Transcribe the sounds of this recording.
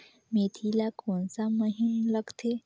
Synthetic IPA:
met̪ʰilakonsaməɦinləɡt̪ʰe

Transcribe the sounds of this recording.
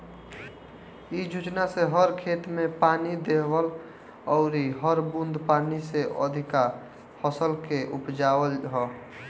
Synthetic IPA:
id͡ʒʱud͡ʒnaseɦəɾkʰet̪mepanid̪ebəl | ɔʊɾiɦəɾbund̪ʱpaniseʔə̰d̪ʱika | fəsəlkeʔupd͡ʒaəlɦɔ

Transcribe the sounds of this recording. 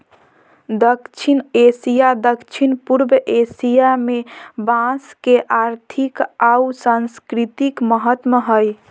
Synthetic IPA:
d̪əkt͡ʃʰinesijad̪əkt͡ʃʰinpuɾbʔesijamebãskeʔaɾt̪ʰikausanskɾit̪ikməɦət̪məɦəj

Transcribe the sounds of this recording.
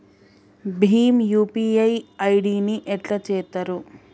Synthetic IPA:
bʱiːmjuːpiːɐjɐjɖiːniʔɛʈlɐt͡ʃɛːt̪ɐɾu

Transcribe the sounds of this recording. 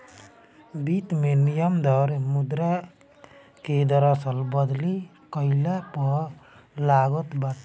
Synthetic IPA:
bit̪menijəmd̪ʌɾmud̪ɾa | ked̪ʌɾʌsʌlbʌd̪li | kʌjlapɔ | laɡɔt̪bat̪

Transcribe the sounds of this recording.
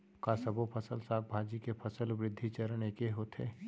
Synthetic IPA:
kasɐbopʰɐsəlsaːk̚bʱaːd͡ʒikepʰɐsəlwɾɪd̪ʱːit͡ʃəɾnekeɦoːt̪ʰḛː

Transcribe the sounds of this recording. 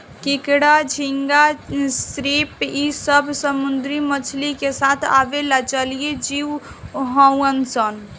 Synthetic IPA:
kɪkɽad͡ʒʱiŋɡasɾepisəbʱsəmʊnd̪ɾimət͡ʃʰlikesat̪ʰa̰ʋelat͡ʃəlijed͡ʒiwɦə̃wənsən

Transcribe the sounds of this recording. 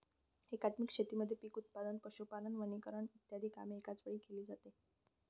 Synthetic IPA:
hekat̪mikʂet̪iːməd̪ʱːjepiːkut̪̚pad̪ənpəɕupalənʋənikəɾəɳit̪jad̪ʱiːka̰meːkat͡sʋəɭiːkeliːd͡zat̪e

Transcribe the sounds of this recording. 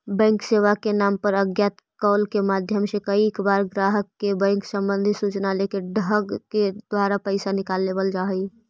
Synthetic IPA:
bɛ̃ːŋkseːʋakenaːmpəɾəɡjaːt̪ | kɔːlkemaːd̪ʱjəmsekəiɪkbaːɾɡɾaːɦəkːebɛ̃ːŋksə̃mbə̃nd̪ʱisut͡ʃnalekeɖəɡked̪̥waːɾapəɪsanɪkaːlːeːbəld͡ʒaːɦi

